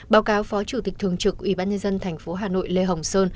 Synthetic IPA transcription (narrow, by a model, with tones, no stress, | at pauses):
ɓaː˨˦wkaː˨˦wfɔ˨˦t͡ɕu˧˩t̪i˨˩k̟̚t̪ʰɨ˨˩əŋt͡ɕɨ˨˩k̚ʔwḭ˧˩ɓaː˧nɲə˧nzə˧nt̪ʰɛ˨˩jŋ̟fo˨˦ɦaː˨˩no̰˧˨jle˧ɦə˨˩wŋ͡msəː˧n